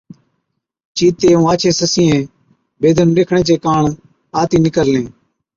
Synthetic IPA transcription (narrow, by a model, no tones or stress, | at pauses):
t͡ʃiːt̪eːũːaːt͡ʃʰẽːsəsĩːẽː | beːd̪ʱənɗeːkʰɳẽːt͡ʃeːkaːɳ | aːt̪iːnɪkəɾlẽː